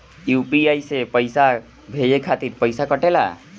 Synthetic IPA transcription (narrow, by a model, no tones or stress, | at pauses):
jupiajsepəjsa | bʱejekʰat̪iɾpəjsakəʈela̰